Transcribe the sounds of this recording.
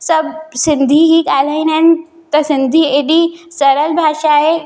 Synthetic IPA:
səb̚sɪnd̪ʱiːɦiːkalainãn | t̪əsɪnd̪ʱiːeɗisəɾəlbʱaːʃaɦe

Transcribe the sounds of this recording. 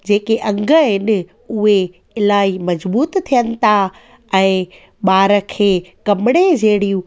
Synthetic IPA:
d͡ʑeːkeʔɐ̃ŋɡʱəɦɪnɪ̆ | ʊɦe | ɪlaːimɐzbuːt̪t̪ʰːijənɪ̆t̪ʰa | ɛ̃ː | ɓaːɾə̆kʰeːkɐmɪɽ̃ed͡ʑɐɦɪɽijũ

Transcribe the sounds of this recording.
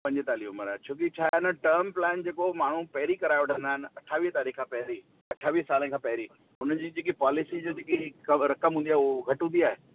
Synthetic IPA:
pɐ̃ɲd͡ʑɪt̪aːliɦʊməɾaːt͡ɕʰoːk̬it͡ɕʰaːɪnəʈəɾmplɛːnd͡ʑeːkomaːɳ̤upɛɦɪɾikɐɾaːɪʋɐʈʰə̃nd̪aːɦɪnɪ̆ɐʈʰaːʋiːst̪aːɾiːkʰãpɐɦɾi | ɐʈʰaːʋiːsaːlə̃nkʰãːpɐɦɪɾi | ʊnəd͡ʑiːd͡ʑeːk̬ipaːlɪsid͡ʑoːd͡ʑeːkikɐɾɐkəmɦũnd̪iaːɦʊɡʱɐʈɦũnd̪iaːɦe

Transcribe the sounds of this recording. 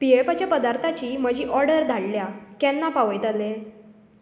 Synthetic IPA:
piepat͡ɕjapəd̪aɾt̪ʰat͡ɕiːm̤əd͡ʑiːʔɔɾɽəɾd̪ʱaɽljakɛnːapaʋəjt̪ale

